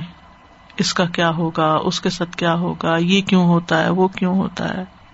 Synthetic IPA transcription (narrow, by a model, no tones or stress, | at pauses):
ɪskakjaːɦoːɡaʊskesaːt̪ʰkjaːɦoːɡajeːkjũːɦoːt̪aɦɛ̰ːʋokjũɦoːt̪a̰ɦɛ̰ː